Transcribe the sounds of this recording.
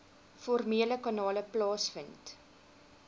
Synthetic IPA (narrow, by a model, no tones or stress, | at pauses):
fɔrmiələkɑnɑːləplɑːsfənt